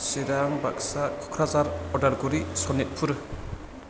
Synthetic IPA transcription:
siɾaŋba̰k̚sakʰɔ̥kʰɾazaɾɔɾdaɾɡuɾisɔnit̚pʰuɾɯ

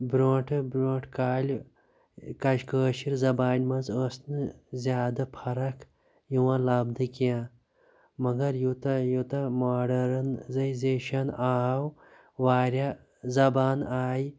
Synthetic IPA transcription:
bɾoːʈʰɨbɾoːʈkaːlʲ | kɐʃkəːʃiɾzɐbaːnʲmɐnzəːsnɨzʲjaːd̪ɐpʰɐɾɐkʰ | juwãlɐːbd̪ɨkijãː | mɐɡɐɾjut̪ɐjut̪ɐmaːɖɐɾɐnzɐjzeːʃɐnaːw | ʋaːɾʲa | zɐbaːnaːj

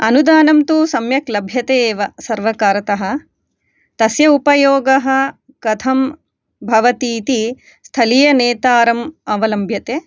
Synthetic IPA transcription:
ɐnud̪aːnɐmt̪uːsɐmjɐklɐbʱjɐt̪eːʋɐsɐɾʋɐkaːɾɐt̪ɐɦɐ̆ | t̪ɐsjɐupɐjoːɡɐɦɐ̆ | kɐt̪ʰɐm | bʱɐʋɐt̪iːt̪i | st̪ʰɐlijɐneːt̪aːɾɐmɐʋɐlɐmbʱjɐt̪eː

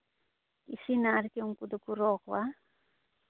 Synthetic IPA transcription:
ḭsinaɾkeuŋkud̪okuɾɔkwa

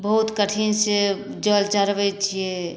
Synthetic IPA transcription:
bəɦut̪kəʈʰinse | d͡ʒəlt͡ʃaɾʋət͡ʃʰie

